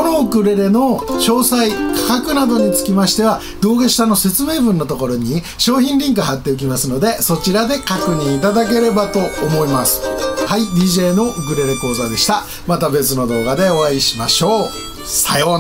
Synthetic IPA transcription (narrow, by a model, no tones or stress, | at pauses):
kono̞ɯ̟kɯ̟ɾe̞ɾe̞no̞ɕo̞ːsaikʰḁkakɯ̟nad̪o̞ɲ̟it͡sɨ̥kʲimaɕi̥t̪e̞βa | d̪o̞ːɡeɕi̥t̪ano̞se̞t͡sɨme̞ːbɯ̟̃nːo̞t̪oko̞ɾo̞ɲ̟i | ɕo̞ːçʲĩnɾʲĩŋkɯɦat̪ːe̞o̟k̬ʲimasɨno̞d̪e̞so̞t͡ɕiɾad̪e̞kakɯ̟ɲ̟ĩit̪ad̪ak̬e̞ɾe̞bat̪o̞ːmo̞imasɨ̥haid̪iːʑe̞ːno̞ʔɯkɯ̟ɾe̞ɾe̞ko̞ːzad̪e̞ɕi̥t̪a | mat̪abe̞t͡sɨno̞d̪o̞ːɣad̪e̞o̞βaiɕimaɕo̞ː | sajo